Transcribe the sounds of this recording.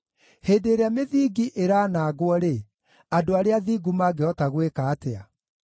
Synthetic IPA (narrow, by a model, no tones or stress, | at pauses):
heːdeːɾeameðiːɡiʔeɾaːnaːɣwɔɾe | adoaɾeaðiːɡumaːɡeɔtaɣwekaːtea